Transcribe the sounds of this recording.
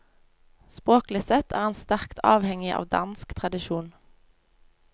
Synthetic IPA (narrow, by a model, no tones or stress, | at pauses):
spʁoːklɪsɛt̪ʰæːʁeːnst̪æʁkt̪ʰɑːʋhɛŋɪʔɑ̰ːʋd̪ɑnskt̪ʰʁɑd̪ɪʃuːn